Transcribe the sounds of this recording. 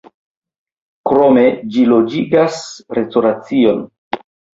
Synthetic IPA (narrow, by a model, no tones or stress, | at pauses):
kɾo̞me̞d͡ʒilo̞d͡ʒiɡasɾe̞stoɾat͡sio̞n